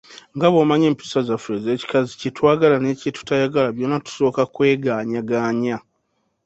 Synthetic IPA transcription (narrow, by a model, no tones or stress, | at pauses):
ŋɡaβomaɲe̞ːmpi̥sazafueze̞ːci̥kazicitwaːɡalane̞ːcetu̥tajaɡalaβjonatu̥so̞ːkakwe̞ːɡaːɲaɡaːɲa